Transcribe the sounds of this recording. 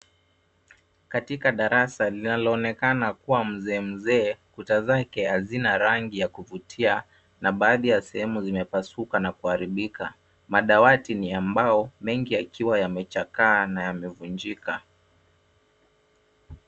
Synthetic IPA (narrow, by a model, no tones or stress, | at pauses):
katikaɗaɾasalinalɔːnɛkanakuwam̩zɛːm̩zɛːkutazakɛhazinaɾaŋɡijakuvutʰia | naɓaːðijasɛhɛmuzimɛpasukanakuhaɾiɓika̰ | maɗawatiniambaɔmɛŋɡiakiwajamɛt͡ʃakaːnajamɛvund͡ʒika